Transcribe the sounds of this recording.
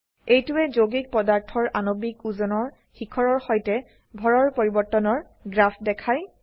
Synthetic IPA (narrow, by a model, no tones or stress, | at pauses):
ejtuɛzoɡik̚pɔdaɹtʰɔɹʔanobikuzɔnɔɹ | xikʰɔɹɔɹxɔjtɛ | bʱɔɹɔɹpoɹibɔɹtɔnɔɹ | ɡɹapʰdɛkʰaj